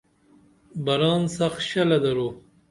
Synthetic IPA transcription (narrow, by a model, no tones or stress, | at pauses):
baɾɑːnsaxʃalad̪aɾu